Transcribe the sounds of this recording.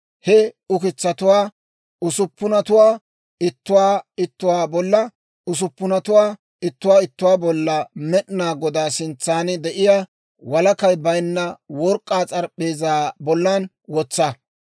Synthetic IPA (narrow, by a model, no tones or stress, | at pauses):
hɛʊkɪt͡sːɐt̪ʊwaː | ʊsʊpːʊnɐt̪ʊwaː | ɪt̪ːʊwaːɪt̪ːʊwaːbɔlːɐ | ʊs̬ʊpːʊnɐt̪ʊwaː | ɪt̪ːʊwaːɪt̪ːʊwaːbɔlːɐmɛɗnaːɡɔd̪aːsɪnt͡sːaːnɪd̪ɛʔɪjaː | wɐlɐkɐjbɐjnːɐwɔɾkʼːaːt͡sʼɐɾpʼːe̞ːzaːbɔlːan | wɔt͡sːɐ